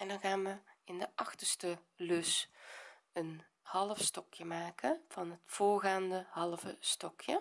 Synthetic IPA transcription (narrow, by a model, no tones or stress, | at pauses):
ʔɛndɔnɣaːnʋəɪndəʔɑxtəstəløs | ən | hɑlˠəfstɔkjəmaːkʰəv̥ɑnɦətfoːɹɣaːndəhɑlˠəvəstɔkʰjə